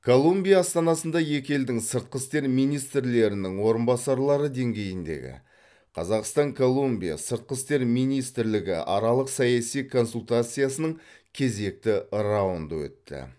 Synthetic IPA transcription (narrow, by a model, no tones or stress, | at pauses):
kʰo̞lˠumbʲijaːst̪ɑnɑsənd̪ɑje̞kʲe̞ld̪ɪŋsəɾt̪̚qəst̪e̞ɾmijnijst̪ɾle̞ɾɪnɪŋwo̞ɾənbɑsɑɾlˠɑɾəd̪e̞ŋɡʲe̞jɪnd̪e̞̰ɡʲɪ̰ | qʰɑzɑqst̪ɑŋkʰo̞lˠumbʲija̰səɾt̪̚qəst̪e̞ɾmijnijst̪ɪɾlɪɡʲɪ̰ʔɑ̰ɾɑlˠəqsɑjɑsijkʰo̞nsulʲˠt̪at̪sɨjasənəɴ | kʲʰe̞ze̞k̚t̪ɪɾɑwənd̪əwɵ̰t̪ːɪ̰